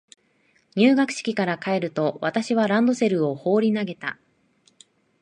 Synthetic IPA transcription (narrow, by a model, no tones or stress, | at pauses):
ɲ̟ɨːɡakɯ̟̥ɕi̥kʲikaɾakae̞ɾɯ̟t̪o̞βat̪aɕiβ̞aɾãnd̪o̞se̞ɾɯ̟o̞ho̞ːɾʲinaɡe̞t̪a̰